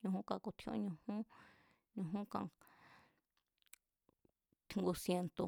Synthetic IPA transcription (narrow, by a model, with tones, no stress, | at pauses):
ɲũ˧hũ˦kã˧˨ku˧t̪ʰõ̰˧õ̰˧˦ɲũ˧hũ˦ | ɲũ˧ɦũ˦kã̰˧ | t̪ʰi˧ŋɡu˧sje˧nt̪o˧